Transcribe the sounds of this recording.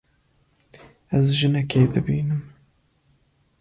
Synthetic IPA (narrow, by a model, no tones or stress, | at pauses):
æzʒɨnɛkeːd̪ɨbiːnɨm